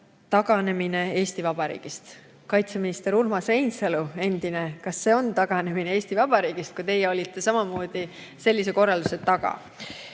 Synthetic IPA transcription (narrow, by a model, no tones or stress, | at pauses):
t̪ɑɡ̥ɑne̞mine̞e̞ːsʲt̪ivɑb̥ɑɾḭːɡ̥ist̪ | kɑjt̪se̞minist̪e̞ɾurmɑsre̞jnselue̞nd̪̥ine̞kɑsːe̞o̞nt̪ɑɡ̥ɑne̞minee̞ːsʲt̪ivɑb̥ɑɾiːɡ̥ist̪̚kujt̪e̞jɛo̞lʲit̪ːˑe̞sɑmɑmo̞ːd̪̥i | se̞lːis̬eko̞rːɑld̪use̞t̪ːɑɡ̥ɑ̰